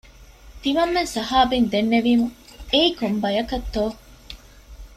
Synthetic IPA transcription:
t̪iʋɐmːensɐɦaːbind̪enːeʋiːmueikombɐjɐkɐt̪ːoː

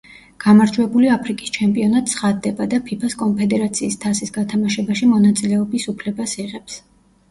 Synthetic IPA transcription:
ɡ̥amaɾd͡ʒwɛbuliapʰɾikʼi̥st͡ʃʰɛmpʼiɔnat̪sʰχad̪ːɛbad̪apʰipʰaskʼɔnpʰɛd̪ɛɾat̪sʰiːst̪ʰasisɡat̪ʰamaʃɛbaʃimɔnat̪sʼilɛɔbisupʰlɛbasiʁɛps

